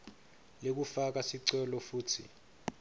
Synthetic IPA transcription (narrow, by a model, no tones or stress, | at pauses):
lek̬ufak̬asiǀɛlɔfuːtʰḭ